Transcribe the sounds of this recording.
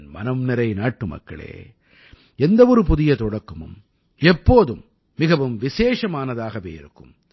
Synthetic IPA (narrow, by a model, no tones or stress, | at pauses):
nmɐ̰nɐmnɪɾɐɪnaːʈːɯmɐ̰kːɐ̰ɭḛː | ɛnd̪ɐʋɔɾɯpʊðɪjɐt̪ɔɽɐkːɐmɯ̰m | ɛpːoːðɯmː | ɪɣɐʋɯmʋɪseːʂɐmaːnɐðaːɣɐʋeːɪ̰ɾɯkːɯm